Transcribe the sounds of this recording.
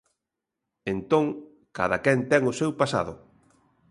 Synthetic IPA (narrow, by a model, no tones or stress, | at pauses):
ent̪õŋ | ka̰ðakɛnt̪ɛŋʊsewpasa̰ðʊ